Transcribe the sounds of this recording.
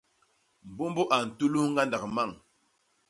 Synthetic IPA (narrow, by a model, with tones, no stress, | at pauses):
m˨bu˦mbu˦ʔa˨n̩˨tu˦lu˦hŋɡa˦nda˨kma˦˨ŋ